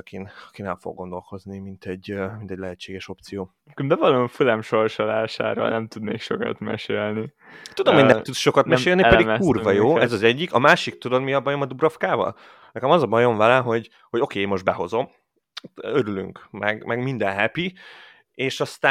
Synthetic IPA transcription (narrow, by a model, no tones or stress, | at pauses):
kinɒkinɛlfo̞̰ɡːond̪o̞lko̞znimint̪ɛɟːmint̪ɛɟlɛɦɛt͡ʃːeːɡɛʃo̞p̚t̪sijoː | kmd̪ɛvɒloɱfulɛmʃo̞rʃolaːʃa̰ːɾo̰lnɛmt̪ud̪nḛːkʃokɒ̰t̪mɛ̰ʃeːlni | t̪ud̪omhoɟnɛmt̪ut̪sʃo̞kɒt̪mɛʃeːlniɛdiuːrvɒjoːɛzɒzɛɟːikɒmaːʃik̚t̪ud̪od̪miɒbɒjo̞mɒd̪ubɾɒfkaːvɒ̰l | nɛkɛmɒzɒbɒjo̞ɱvɛlɛmɦo̞ɟ | ho̞ɟo̞keːmo̞ʒd̪bɛɦo̞zo̞m | øɾyly̰ŋkmɛɡmɛɡmind̪ɛnɦɛpi | eːʃɒst̪aː